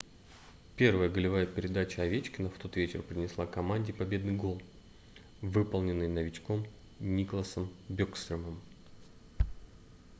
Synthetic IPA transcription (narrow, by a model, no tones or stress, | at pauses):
pʲe̞rvəjəɡəlʲɪvajəpʲɪɾʲɪd̪at͡ɕəɐvʲet͡ɕkʲɪnəft̪o̞t̪vʲet͡ɕɪrpɾʲɪnʲɪslˠakɐmanʲdʲɪpɐbʲe̞d̪nɨjɡo̞lˠ | vɨpəlˠnʲɪnːɨjnəvʲɪt͡ɕko̞m | nʲiklˠəsəmbʲokst̪ɾʲəməm